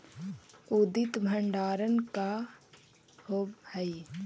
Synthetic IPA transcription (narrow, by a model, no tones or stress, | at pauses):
ud̪ɪt̪bʱəɳɖaːɾənka | hoːbhəi